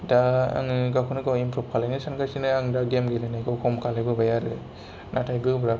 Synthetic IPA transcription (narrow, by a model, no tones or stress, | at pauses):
daa̰ŋɯɡakʰunɯɡajimpʰɾɔp̚kʰalanɯsankasinɯaŋdaɡemɡelanajkɯwkʰɔmkʰalajbɯbajaɾɯ | natʰajbɯbɾa